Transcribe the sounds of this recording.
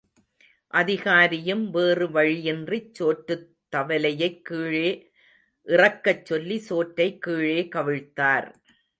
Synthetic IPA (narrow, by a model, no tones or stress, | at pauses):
ʔɐðɪɣaːɾɪjɯmʋeːrɯʋɐɻijɪndrit͡ʃːoːʈːɯt̪ːɐʋɐlɐjɐɪkːiːɻeː | ʔɪrɐkːɐt͡ʃːɔlːisoːʈɾɐɪkːiːɻeːkɐʋɪɻt̪ːaːɾ